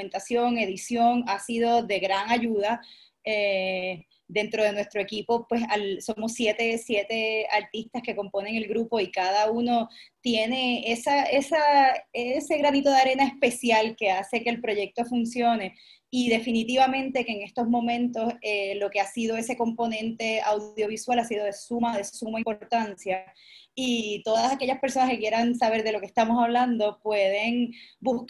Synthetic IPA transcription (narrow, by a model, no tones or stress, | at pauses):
ment̪asjo̞ŋe̞ðisjo̞ŋasiðo̞ðe̞ɣɾaŋaʝuða | e | d̪e̞nt̪ɾo̞ð̞e̞nwe̞st̪ɾoe̞kipo̞pwe̞salso̞mo̞sːje̞t̪e̞sje̞t̪e̞aɾt̪ist̪aske̞ko̞mpo̞ne̞ŋe̞lɡɾupo̞ikaðauno̞t̪je̞ne̞esaʔesaese̞ɣɾanit̪o̞ðeaɾe̞nae̞spe̞sjalke̞ase̞ke̞ːlpɾo̞ʝe̞k̚t̪o̞funsjo̞ne̞ | iðe̞finit̪iβamẽnt̪e̞keːŋe̞st̪o̞zmõ̞mẽ̞nt̪o̞selo̞keasið̞o̞e̞se̞ko̞mpo̞nẽ̞nt̪e̞awðjo̞β̞iswalasiðo̞ðe̞sumaðe̞sumaĩmpo̞ɾt̪ansja | it̪o̞ðasake̞ʝaspe̞ɾso̞naske̞kje̞ɾaŋsaβe̞ɾðe̞lo̞kest̪amo̞saβ̞lãnd̪opwe̞ð̞e̞ŋbuh